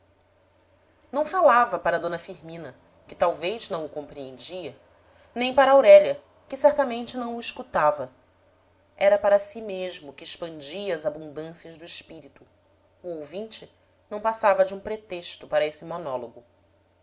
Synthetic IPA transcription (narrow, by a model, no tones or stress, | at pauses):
nɐ̃w̃falavɐpaɾɐd̪õnɐfiɾmĩnɐ | kɪt̪awvejznɐ̃w̃ʊkõmpɾiẽnd͡ʒiɐ | nẽj̃paɾɐawɾɛʎɐ | kɪsɛɾt̪ɐmẽnt͡ʃɪnɐ̃w̃ʊiʃkut̪avɐ | ɛɾɐpaɾɐsimeʒmʊkɪːʃpɐ̃nd͡ʒiɐːzabũnd̪ɐ̃siɐʒd̪ʊɪʃpiɾit̪ʊː | owvĩt͡ʃɪ | nɐ̃w̃pasavɐd͡ʒɪũpɾet̪eʃt̪ʊpaɾɐesɪmonɔloɡʊ